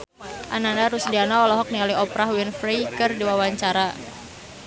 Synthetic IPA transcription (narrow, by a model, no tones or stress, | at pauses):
ʔananaɾusdianaɔlɔɦɔk̚nialiɔpɾahwinfɾejkɨrdiwawaɲt͡ʃaɾa